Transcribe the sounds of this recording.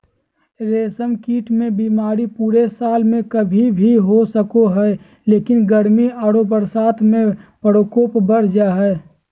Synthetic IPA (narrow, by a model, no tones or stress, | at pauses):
ɾeːsəmkiːʈmẽbiːmaːɾipuːɾesaːlmẽkəbʱibʱiɦosəkoɦɛ | leːkɪnɡəɾmiaːɽopəɾsaːt̪ʰmẽpəɾoːkoːpbəɾ̤d͡ʒaɦɛː